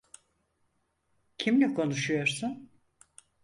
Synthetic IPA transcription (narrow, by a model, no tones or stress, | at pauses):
cʰimlʲikʰo̞nuʃujo̞ɾsun